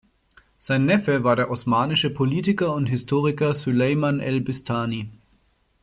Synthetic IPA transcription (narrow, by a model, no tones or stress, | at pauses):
z̥aɪnːɛfəvaːɐɾeːɐʔɔsmaːnɪʃəpʰoliːtɪkɐʊntɦɪstʰoːʁɪkɐsuleɪmanʔɛlbɪstʰaːni